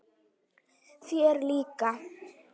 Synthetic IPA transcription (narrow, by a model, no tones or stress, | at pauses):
sieɾlika